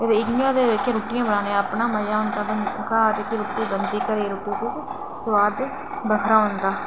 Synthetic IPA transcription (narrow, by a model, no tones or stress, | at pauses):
ed̪eːɪknĩaːd̪ed̪eːkʰeɾuːʈijãːbənaːnẽapnaːməjaːɦʊ̃nd̪aːbənkaːt̪eːkiɾuːʈiːbənd̪iːkəɾeːɾuːʈiːkʊːs | səʋaːd̪ | bəkʰɾaːɦʊ̃nd̪aː